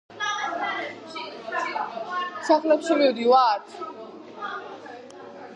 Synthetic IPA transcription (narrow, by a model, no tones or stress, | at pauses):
saχlɛpsuɾiɔd̪iwaːɾt̪ʰ